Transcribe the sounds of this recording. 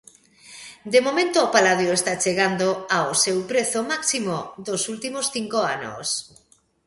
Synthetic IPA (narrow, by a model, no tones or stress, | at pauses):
d̪emomẽnt̪oːpalaðjoest̪at͡ʃeɣ̞and̪oaosewpɾeθomaksimoðosult̪imosθiŋkoano̰s